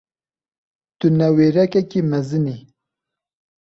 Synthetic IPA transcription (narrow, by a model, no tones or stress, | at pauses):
t̪unɐweɾɐkɐkimɐzɨni